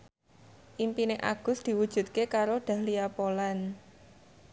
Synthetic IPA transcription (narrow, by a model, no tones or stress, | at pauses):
ʔimpineʔa̰ɡ̥ʊ̤sd̪̥i̤wud̥ʒ̥ṳt̪̚kekaɾoɖ̥ä̤hliapolan